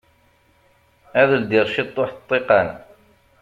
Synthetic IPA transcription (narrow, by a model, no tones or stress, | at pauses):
æðəld̪iɾʃit̪ˤːoħt̪ˤːiqɑn